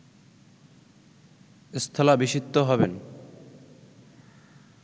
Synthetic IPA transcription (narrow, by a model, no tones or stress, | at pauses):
est̪ʰolabiʃit̪ːoɦɔben